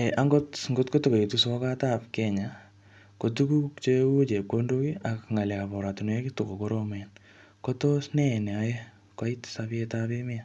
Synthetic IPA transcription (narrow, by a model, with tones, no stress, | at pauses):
e˨ʔa˦ŋɡo˦tŋɡo˦tko˦tu˦ko˨e˨tuso˦ka˦tapkɛɲa | ko˨tu˦ku˦kt͡ʃe˦u˦t͡ʃe˨kːondo˦ki˦a˨kŋa˨ljapɔ˨ɾa˨tu˨ne˦kito˨ko˨koɾomɛn | ko˦tosnɛ˦˨nɛ˨a˦ɛ˦ | kwa˦itsabetapemɪ˦a˨